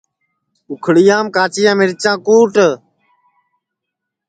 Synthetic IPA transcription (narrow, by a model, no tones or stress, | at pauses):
ʊkʰɽɪjãːmkaːt͡ʃɪjãːmɪɾɪt͡ʃãːkuːʈə